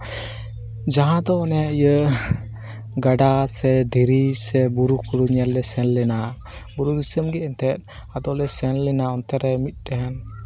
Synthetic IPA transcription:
d͡ʒaɦãd̪ɔnɛijə | ɡaɖasɛd̪ʱiɾisɛbuɾukuɾuɲɛlːɛsɛnlɛna | buɾud̪isəmɡɛɛnt̪ɛt̪̚ˀ | ad̪ɔlɛsɛnlɛnaɔnt̪ɛɾɛmit̪̚ˀdɛɦɛn

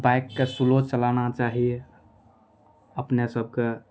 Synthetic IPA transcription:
bajkːesulot͡ʃəlanat͡ʃaɦi | əpnesəb̚ke

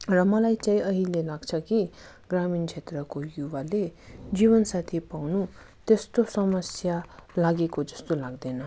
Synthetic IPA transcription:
rʌmʌlajt͡saĩʌɦilelaɡt͡sʰʌki | ɡramint͡sʰet̪rʌkojubaled͡zibʌnsat̪ʰipawnu | t̪est̪osʌmʌsjalaɡekod͡zʌst̪olaɡd̪enʌ

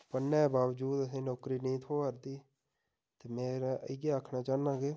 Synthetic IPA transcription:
pənːɛ̃ːbaːʋd͡ʒuːd̪əsẽːnoːkɾiːnĩːt̪ʰoːəɾd̪iː | t̪eːmẽːɾɪɡeːaːkʰnaːt͡ʃaːnãːɡeː

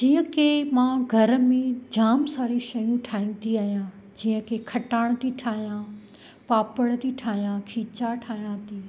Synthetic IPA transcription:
d͡ʑiːə̃kemãːɡʱɐɾ̆mẽd͡ʑaːmsaːɾiʃɐjũʈʰaːĩnt̪iaːɦijãː | d͡ʑiːə̃kekʰɐʈaːɽ̃t̪iʈʰaːɦijã | paːpəɽt̪iʈʰaːɦijãkʰiːt͡ɕaʈʰaːɦijãt̪ʰiː

